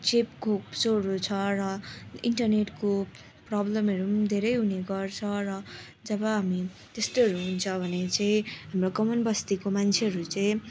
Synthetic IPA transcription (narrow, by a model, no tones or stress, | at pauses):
t͡sepkoksoɾot͡sʰʌrʌiɳʈʌrneʈko | prʌblʌmʌɾumd̪ʱeɾʌjɦuneɡʌrt͡sʰʌɾʌ | d͡zʌbʌɦami | t̪est̪oʌɾuɦunt͡sʰʌbʱʌnet͡saĩɦamrokʌmʌnbʱʌst̪ikomant͡sʰeɦʌɾut͡saĩ